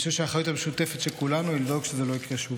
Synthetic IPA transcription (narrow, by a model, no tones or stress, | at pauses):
ʃevʃeaχajut̪hameʃut̪efet̪ʃelkulanuild̪o̞ɡʃezelo̞ikʁeʃu